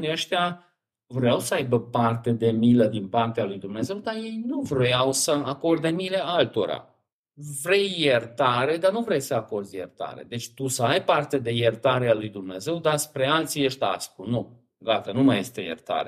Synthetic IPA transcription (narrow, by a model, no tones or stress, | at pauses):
niəʃt̪ea | vɾeawsəajbəpart̪e̞d̪e̞miləd̪inpart̪ealujd̪umne̞ze̞wd̪aje̞jnuvɾojawsəako̞rd̪emilealt̪o̞ɾa̰ | vɾe̞jːert̪aɾe̞d̪anuvɾe̞jsəako̞rd̪zjḛrt̪a̰ɾḛd̪e̞t͡ʃʲt̪usəajpart̪e̞d̪e̞jert̪aɾealujd̪umne̞ze̞wd̪aspɾe̞alt̪sijeʃt̪a̰skunu | ɡat̪ənumaje̞st̪e̞jḛrt̪a̰ɾe